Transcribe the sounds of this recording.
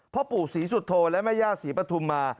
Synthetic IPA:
pʰɔ˦˥puː˨˩k̚siː˩˦su˨˩t̪ʰːoː˧lɛ˦˥mɛ˥˩jaː˥˩siː˩˦pɾa˧t̪ʰu˧mːaː˧

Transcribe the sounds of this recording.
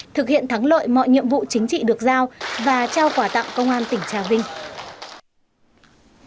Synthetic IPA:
t̪ʰɨ˨˩k̚hḭ˧˨ənt̪ʰa˨˦ŋlo̰˧˨jmɔ̰˧˨jɲḭ˧˨əmvṵ˧˨t͡ɕï˨˦ŋ̟t͡ɕḭ˧˨ɗɨ˨˩ək̚zaː˧wvaː˨˩t͡ɕaː˧wkwaː˧˩t̪a̰˧˨ŋ͡mkə˧wŋ͡mʔaː˧nt̪ï˧˩ŋ̟t͡ɕaː˨˩wzï˧ŋ̟

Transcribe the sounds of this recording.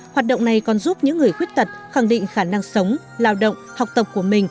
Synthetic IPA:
haː˨˩t̚ɗə̰˧˨wŋ͡mna˨˩jkɔ˨˩nzu˦˥p̚ɲɨ̰˧˥ŋːɨ˨˩əjxwi˦˥ət̚t̪ə˨˩t̚xa˧˩ŋɗḭ̈˧˨ŋ̟xaː˧˩na˧ŋsə˨˦wŋ͡m | laː˧wɗo̰˧˨wŋ͡mha˨˩wk͡p̚t̪ə˨˩p̚ku˧˩əmï˨˩ŋ̟

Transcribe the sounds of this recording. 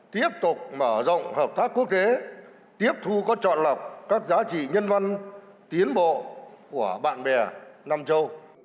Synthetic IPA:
t̪i˦˥əp̚t̪ʊ˨˩k͡p̚məː˧˩zə̰˧˨wŋ͡mhəː˨˩p̚t̪aː˦˥k̚ːu˦˥ək̚t̪e˨˦ | t̪i˦˥əp̚t̪ʰu˧kɔ˨˦t͡ɕɔ̰˧˨nlə˨˩p̚kaː˦˥k̚zaː˨˦t͡ɕḭ˧˨ɲə˧nva˧n | t̪i˨˦ənɓo̰˧˨ku˧˩əɓa̰ː˧˨nɓɛ˨˩na˧mt͡ɕə˧w

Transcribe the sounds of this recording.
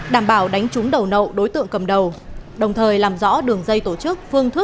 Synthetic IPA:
ɗaː˧˩mɓaː˧˩wɗa˨˦jŋ̟t͡ɕʊ˨˦ŋ͡mɗə˨˩wnə̰˧˨wɗo˨˦jt̪ɨ̰˧˨əŋkə˨˩mɗə˨˩wɗə˨˩wŋ͡mt̪ʰəː˨˩jlaː˨˩mzɔ̰˧˥ɗɨ˨˩əŋzə˧jt̪o˧˩t͡ɕɨ˦˥k̚fɨ˧əŋt̪ʰɨ˦˥

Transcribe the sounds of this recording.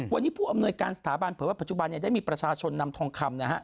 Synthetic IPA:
wa˧nːiː˦˥pʰuː˥˩ʔa˧mnu˧əjkaː˧nsa˧t̪ʰaː˩˦ba˧npʰːwaː˥˩pa˨˩t͡ɕu˨˩ba˧nːi˧˩da˥˩jmiː˧pɾa˧t͡ɕʰaː˧t͡ɕʰo˧nːa˧mt̪ʰɔː˧ŋkʰa˧mna˦˥ha˦˥ʔ

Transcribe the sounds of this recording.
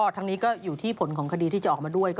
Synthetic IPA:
ɔː˥˩t̪ʰa˧ŋniː˦˥kɔː˥˩juː˨˩t̪ʰiː˥˩pʰo˨˩˦nkʰɔː˩˦ŋkʰdiː˧t̪ʰiː˥˩t͡ɕa˨˩ʔɔː˨˩k̚maː˧du˥˩əjkː

